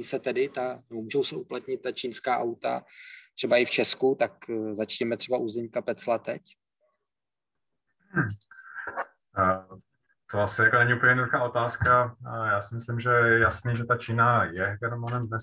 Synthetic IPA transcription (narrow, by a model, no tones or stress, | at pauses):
iːsɛt̪ɛdɪt̪anɛbomuːʒɛwsɛuplat̪ɲɪt̪̚ːat͡ʃiːnskaːʔawt̪a̰t̪r̥ɛbaʔɪft͡ʃɛskut̪akzat͡ʃɲɛmɛt̪r̥ɛbaʔuzɛɲkapɛt͡slat̪ɛ̰c | t̪oasɪjakonɛɲiupəɲɛnuduxaːo̞t̪aːskajaːsɪmɪslɪmʒɛjɛjasniːʒɛt̪at͡ʃiːnajɛjɛnomanɛmvnɛ